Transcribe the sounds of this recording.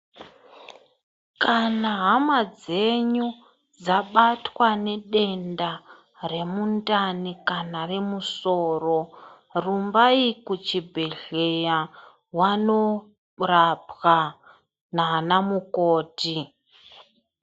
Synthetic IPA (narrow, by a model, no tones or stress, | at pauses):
kanaɦamad͡ze̞ɲu | d͡zaɓatwane̞ɗe̞nda | re̞muntanikanare̞musoːro̞ | rumbaikut͡ʃibʱeɮeja | wano | rapɣa | naːnamukoːti